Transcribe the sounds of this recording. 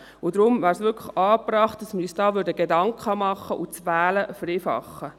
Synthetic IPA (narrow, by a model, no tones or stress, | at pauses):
ʊd̪ɾʊmvæːɾsʋʏkʰəχɑːprɑːχtd̥ɑsməɾjysd̥ɑːʋʏɾdəɡedɑŋkχɑmɑχːəʔʊt͡sʋæːləfreːfɑ̰χːə